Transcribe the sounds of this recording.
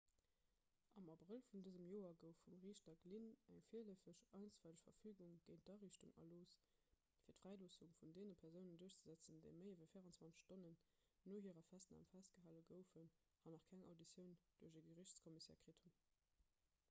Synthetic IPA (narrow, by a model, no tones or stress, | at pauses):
ʔɑmɑbʁəlfundəzəmjoːɐɡəʊfumʁiːʃtɐɡlinæŋfiələfəʃɑɪnt͡sfæləɕfɐfyːɡuŋɡ̥əɪnt̚d̥ɑʁiɕtuŋɑ̰loːs | fiːɐtfʁæɪloːsuŋfundeːnəpʰɛɐʁzəʊnənduɐɕt͡səzæt͡səndəɪməɪivɐfiːʁɑnt͡swɑnt͡sə̥ʃtonənː | oːɦiːʁɐfæstna̰ːmfæst̚ɡ̥əɦaːləɡəʊfən | hɑnɑχkʰæŋɑ̰ʊdit͡sjəʊnd̥uːɐʑəɡəʁɪɕt͡skʰɔmisɛ̰ːʁkʁ̥itʰum